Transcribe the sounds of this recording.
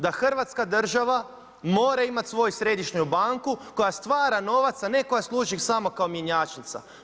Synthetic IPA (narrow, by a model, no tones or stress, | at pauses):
d̪axr̩ʋat̪skad̪r̩ʒaʋa | mo̞ːɾaimat̪ʲsʋo̞jusɾe̞d̪iʃɲubaŋkuko̞jast̪ʋaːɾano̞ʋat̪saneko̞jaslˠuːʒixsamo̞kaomjeɲaːt͡ʃnit̪sa̰